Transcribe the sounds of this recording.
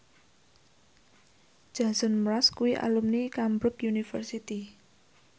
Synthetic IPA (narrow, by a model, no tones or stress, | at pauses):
d͡ʒ̥asɔnmɾaskuwiʔa̰lumnikambɾʊkjunifə̰rsit̪i